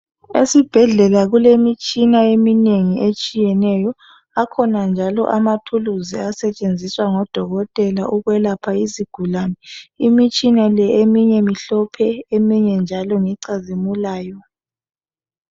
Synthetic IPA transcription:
ḛsib̥ʱɛɮɛlaɣulemit͡ʃʼinaemineŋiʔet͡ʃʼijɛnɛjɔ | akʰɔnand͡ʒʱalɔ̰ʔamatʰuluziasɛt͡ʃʼend͡zʱiswaŋɔd̥ʱɔɣɔtʼɛlaʔuɣwɛlapʰaiziɡ̥ʱulanɛimit͡ʃʼinalɛemiɲɛmiɬɔpʰɛemiɲɛnd͡ʒʱalɔŋiǀazimulaːjɔ

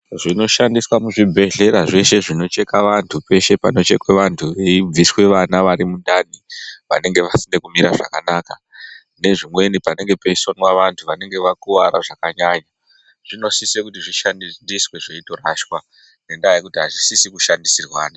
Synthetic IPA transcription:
ʐino̞ʃandiswamuʐibʱe̞ɮe̞ɾaʐe̞ʃe̞ʐino̞t͡ʃe̞kaʋantʰupe̞ʃe̞pa̰no̞t͡ʃe̞kweʋantʰuʋeib͡viswe̞ʋanaʋaɾimundaniʋa̰ne̞ŋɡe̞ʋasine̞kumiɾaʐa̰kanaka | ne̞ʐimwe̞nipane̞ŋɡe̞pe̞isonwaʋantʰuʋane̞ŋɡe̞ʋakuʋaɾaʐakaɲaɲa | ʐ̥ino̞sisekutiʐiʃanndiswe̞ʐeito̞raʃwa | ne̞ndajajekutiɦaʐisisikuʃandisirwaːna

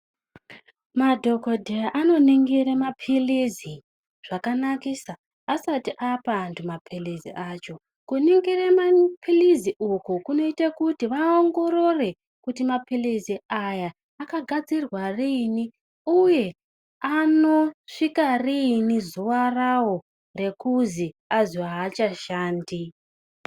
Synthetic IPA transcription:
madʱo̞kodʱeaʔano̞niŋɡiɾemapʰilizi | ʐ̥akanakiːsaː | satiʔapaːntʰumapʰilizḭat͡ʃo̞ | kuniŋɡiremapʰiliziʔukukuno̞itekutiʋaoŋɡo̞ɾo̞re̞ | kutimapiliziajaː | kaɡʱad͡zirwarini | uje̞ | ano̞ʂikarinizuwarawo | re̞kuzi | aziaːt͡ʃaʃaːndi

